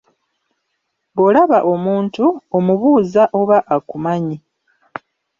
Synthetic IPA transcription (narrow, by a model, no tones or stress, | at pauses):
βo̞laβaʔo̞muːntuomuβuːzaʔo̞βaʔakumaɲi